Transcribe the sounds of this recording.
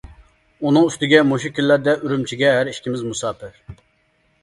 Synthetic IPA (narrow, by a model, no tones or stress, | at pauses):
unɨŋyst̪ɪɡʲɛmoʃ̬ikʲilːæɾd̪ɛʔyɾymt͡ʃʰiɡʲɛɦæɾiʃkʲʰimɪzmusɑːpɪɾ